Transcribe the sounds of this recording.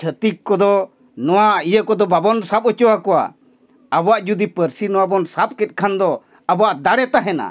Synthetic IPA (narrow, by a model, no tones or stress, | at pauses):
t͡ʃʰət̪ikkːɔd̪ɔ | nɔwaijəkɔd̪ɔbabɔnsap̚ɔt͡ʃɔwakɔwa̰ | abɔwaʔd͡ʒud̪ipəɾsinɔwabɔnsap̚kɛt̪̚ˀkʰand̪ɔ | abɔwaʔd̪aɽɛt̪aɦɛna̰